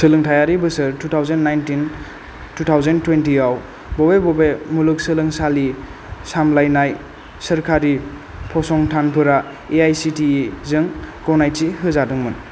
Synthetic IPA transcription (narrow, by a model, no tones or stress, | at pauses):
sɯlɯŋtʰajaɾibɯsɯɾtutʰawzenːajntin | tutʰawzentwentiaw | bɔbebɔbemuluk̚sɯlɯŋsali | samlajnaj | sɐɾkʰaɾi | pʰɔsɔŋtʰanpʰɯɾa | eajsitiizɯŋɡɔwnajtiɦɯzadɯŋmɯn